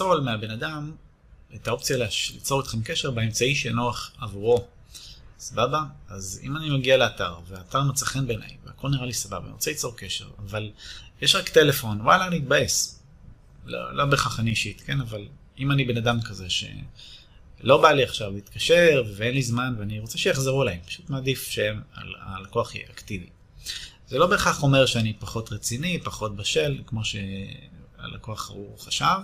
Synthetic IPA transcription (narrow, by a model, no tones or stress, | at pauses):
o̞lmeabe̞nadam | etao̞pt͡sijaleʃlḭt͡so̞ʁet̪χemkeʃe̞ʁbeemt͡saiʃenoaχavuʁo̞ | sababaazḭmanimaɡialeataʁveaːtaʁmet͡saχenbena̰jveako̞lniʁalisababa̰nḭʁot͡selit͡so̞ʁkeʃe̞̰ʁavaljeʃʁakte̞le̞fo̞nwa̰laːniit̪̚bae̞s | lo̰lo̞beχaχaniiʃit̪ke̞naval | imanibe̞nadamkazeʃḛ | lo̞baliaχʃavleit̪kaʃeʁvevenlizmanveaniʁo̞t͡seʃejaχzeʁuelaempḁʃut̪maːdifʃeema̰lalako̞aχḭʔaktivḭ | z̥elo̞be̞ːχaχo̞meʁʃeanipaχo̞t̪ʁet͡sinipaχo̞t̚baʃe̞lkmo̞ʃe | a̰lʔa̰ko̞aχa̰uχaʃav